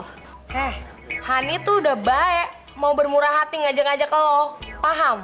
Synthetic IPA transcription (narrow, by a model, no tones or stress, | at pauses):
hɛh | hanit̪udahbaɛʔ | maubərmuɾaɦat̪iŋad͡ʒaŋad͡ʒakalopaɦam